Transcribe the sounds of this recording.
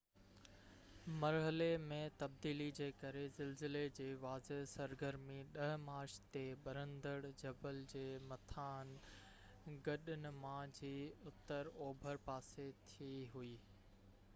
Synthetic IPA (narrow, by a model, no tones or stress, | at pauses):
mɐɾɦəlemẽt̪ɐb̚d̪iːlid͡ʑeːkɐɾezɪlzɪled͡ʑeːʋaːzeɦsɐɾɡəɾmiɗɐɦmaːɾʃt̪eɓɐɾə̃nd̪əɽd͡ʑɐbəld͡ʑeːmɐt̪ʰaːn | ɡɐɗɪnɪ̆mãd͡ʑiːʊt̪əɾoːbʱəɾpaːset̪ʰiiɦuiː